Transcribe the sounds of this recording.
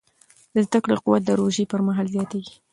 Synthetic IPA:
d̪əzt̪akɽoquwat̪̚d̪əɾoʒipəɾmaɦɑlzjɑt̪eɡi̥

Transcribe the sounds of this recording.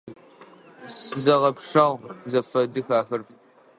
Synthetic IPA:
sɨzɐʁɐpʂɐʁzɐfɐdɨxaːxɐrf

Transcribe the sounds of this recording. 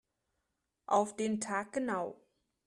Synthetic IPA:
ʔaʊfd̥eːntʰaːk̚ɡ̥ənaʊ

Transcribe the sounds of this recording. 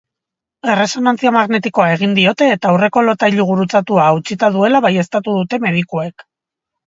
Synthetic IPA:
e̞re̞so̞nant͡siamaɣne̞t̪iko̞ae̞ɣ̞ind̪io̞t̪e̞ːt̪aːwre̞ko̞lo̞t̪ajʎuɣ̞uɾut͡sat̪uaːut͡ʃit̪að̞ue̞laβaje̞st̪at̪uðut̪e̞me̞ð̞ikoe̞k

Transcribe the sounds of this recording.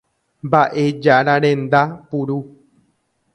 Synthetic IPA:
mbaʔe̞d͡ʒaɾaɾẽ̞nd̪apuɾu

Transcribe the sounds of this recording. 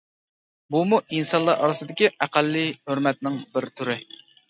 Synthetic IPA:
bumuʔinsɑnlˠɑɾʔɑ̰ɾɨsɨd̪ɪkʲiæqælːiɦøɾmɛt̪̚nɪŋbɪɾt̪ʰyɾɪ

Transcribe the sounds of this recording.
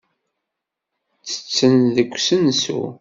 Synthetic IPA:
t͡sːə̥t͡sːənðəkʷːsənsṵ

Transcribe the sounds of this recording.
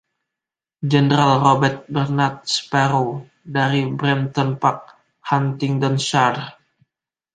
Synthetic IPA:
d͡ʒənəɾalrobɛrt̪̚bərnat̪̚spaɾo | daɾibɾɛnt̪ɔnpak̚ | hant̪ɪŋdɔnʃar

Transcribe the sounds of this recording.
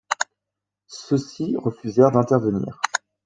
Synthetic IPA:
səsiʁəfyzɛʁd̪ɛ̃t̪ɛʁvənḭːʁ

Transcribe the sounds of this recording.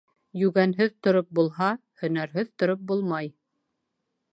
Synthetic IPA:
jʉɡænɦɘðt̪ŏɾop̚bulˠɦɑhɵ̆næɾɦɵðt̪ŏɾop̚bulˠmɑj

